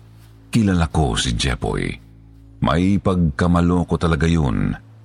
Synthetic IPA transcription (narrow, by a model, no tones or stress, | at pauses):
kɪlalako̰sid͡ʒɛ̰po̰j | mʔɐ̰jpɐɡ̚kɐmɐlokot̪ɐlɐɡajon